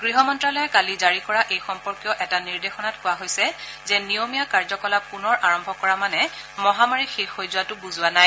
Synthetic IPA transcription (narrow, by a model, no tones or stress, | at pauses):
ɡɹiɦɔmɔntɹalɔjakalizaɹikɔɹaʔejxɔmpɔɹkjɔʔɛtaniɹdexɔnatkʊwaɦojsɛ | zɛnijomijakaɹzɔkɔlap̚kʊnɔɹʔaɹɔmbʱɔkɔɹamanɛmɔɦamaɹixexojzʊwatʊbuzʊwanaj